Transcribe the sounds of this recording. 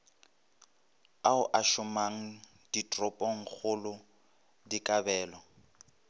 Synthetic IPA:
aʊʔaʃʊmaŋ̩ | d̥itʼrɔpʼɔŋ̩k͡xʰʊlʊ | dikʼabɛːlɔ

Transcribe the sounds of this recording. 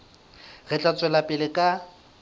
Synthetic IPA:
ɣɛt͡ɬʼat͡sʼwɛlapʼɪlɪkʼa

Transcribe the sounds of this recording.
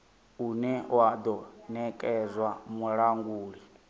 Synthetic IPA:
unɛwad̪ɔnɛkʼɛzwamuɺaŋɡuːɺi

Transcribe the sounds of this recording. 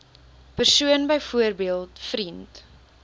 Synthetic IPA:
pərsuənbəjfuərbiəlˠtfɾint

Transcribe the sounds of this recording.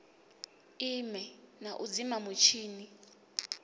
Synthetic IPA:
imɛnaʔud͡zimamut͡ʃʰiːni

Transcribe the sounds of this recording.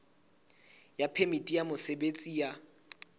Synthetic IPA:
japʰemitʼijamʊsebet͡sʼija

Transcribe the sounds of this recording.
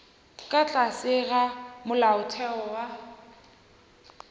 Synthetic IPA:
kʼat͡ɬʼasɪɣamʊlaʊtʰɛɔwa

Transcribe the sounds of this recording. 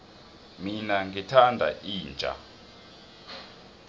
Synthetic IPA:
minaŋɡitʰandʱa̰iːnd͡ʒʼʱa̰

